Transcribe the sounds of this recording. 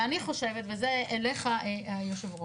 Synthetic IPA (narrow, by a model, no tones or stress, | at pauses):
aniχo̞ʃevet̪vezeeleχaajoʃevʁo